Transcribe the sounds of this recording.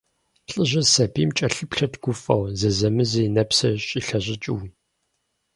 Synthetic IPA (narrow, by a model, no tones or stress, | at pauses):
ɬʼɨʑɐsɐbiːmt͡ʃʼɐɬɨpɬɐtɡ̥ʷʊfʼɐwzɐzɐmɨzinɐpsɐɕʼiɬɐʑɪt͡ʃʼɪw